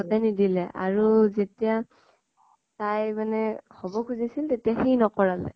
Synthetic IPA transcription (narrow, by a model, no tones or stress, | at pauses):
ɔtanidilɛʔa̰ɹuzetija | tajmanɛxɔbɔkʰuzisiltetijaxijnɔkɔɹalɛ̰